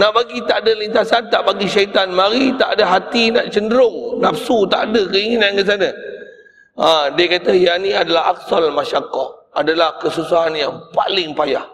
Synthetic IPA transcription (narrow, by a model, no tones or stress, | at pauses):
naʔbaɡit̪aʔdəlint̪asant̪aʔbaɡiʃait̪anmãɾit̪aʔadəɦat̪inaʔt͡ʃəndəɾʊŋnafsut̪aʔdəkəiŋinankas̬anə | adiəkat̪əjanĩadalaɦak̚salmaʃakɔt | adalahkəsusaɦanjaŋpa̰lɪŋpajah